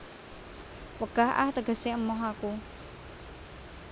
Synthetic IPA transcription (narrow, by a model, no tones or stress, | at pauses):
wəɡ̥aɦʔa̰ht̪əɡ̥ə̤seəmɔɦaku